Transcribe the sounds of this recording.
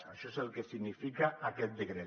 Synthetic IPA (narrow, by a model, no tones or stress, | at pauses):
aʃɔezelˠkesiɣnifikaakɛt̪̚d̪eɣɾe